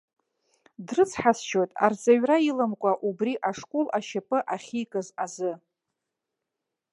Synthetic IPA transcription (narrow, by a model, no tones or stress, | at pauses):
drɨt͡sʰħast͡ʃʰojtʼa̰rt͡sʼaɥrailamkʷʼaʔubriʔaʂkʷʼolaʃapʼɨʔaχʲijkʼɨzazɨ